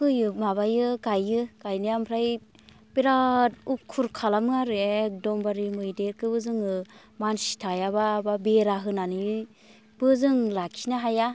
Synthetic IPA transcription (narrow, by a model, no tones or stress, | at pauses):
kɯjɯmaβajɯɡajɯɡ̥ajnɯjampʰɾaj | b̥eɾat̚ukʰuɾkʰalamɯaɾɯedɔmbaɾimɯjdeɾkʰɯbɯzɯŋɯ | mansi̥tʰajaβababeɾaɦɯnani | b̥ɯzɯŋlakʰinaɦaja